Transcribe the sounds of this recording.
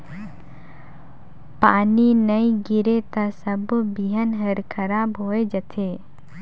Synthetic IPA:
paːninəiɡɪɾet̪asəbbiɦənɦəɾkʰɐɾaːbɦoːed͡ʒət̪ʰeː

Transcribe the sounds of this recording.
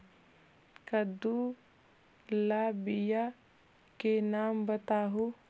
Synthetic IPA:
kəd̪u | labɪja | kenaːmbət̪aːɦoː

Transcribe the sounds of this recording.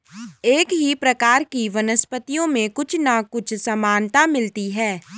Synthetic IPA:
eːkɦipɾɐkaːɾkiʋɐnəspət̪ijõmẽkʊt͡ʃʰnakʊt͡ʃʰsɐmaːnt̪amɪlt̪iɦɛː

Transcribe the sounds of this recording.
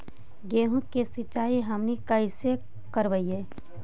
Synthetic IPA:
ɡeːɦũkesit͡ʃaːiɦɐmnikɐɪse | kəɾʋəieː

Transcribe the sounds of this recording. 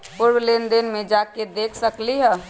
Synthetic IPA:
pʊɾwlend̪enmẽd͡ʒaːked̪eːkʰsəkliɦɛː

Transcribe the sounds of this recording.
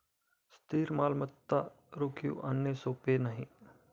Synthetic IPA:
st̪ʰiːɾmaːlmət̪ːa | ɾoːkʰjṵʔanjəsoːpenaɦĩ

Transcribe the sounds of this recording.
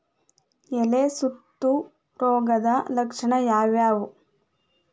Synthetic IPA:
elesut̪ːu | ɾoːɡɐd̪ɐlɐkʂɐɳɐjaːʋjaːʋu

